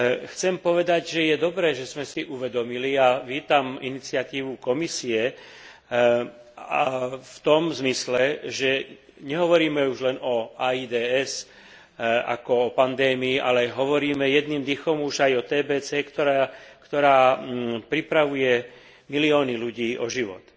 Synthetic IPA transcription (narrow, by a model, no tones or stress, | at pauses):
xt͡sɛmpɔʋɛd̪aɟʒɛjɛd̪ɔbɾɛːʒɛzmɛsiʔuʋɛd̪ɔmiliaʋiːt̪aminit͡sɪat̪iːʋukɔmisiɛ | aft̪ɔmzmislɛʒɛ | ɲɛɦɔʋɔɾiːmɛuʒlɛnɔaːiːd̪ɛːɛs | a̰kɔɔpand̪ɛːmiːʔa̰lɛɦɔʋɔɾiːmɛjɛd̪nimd̪ixɔmuʒajɔt̪ɛːbɛːt͡sɛːkt̪ɔɾakt̪ɔɾaːpɾipɾaʋujɛ | miliɔːniluɟiːʔɔʒiʋɔ̰t̪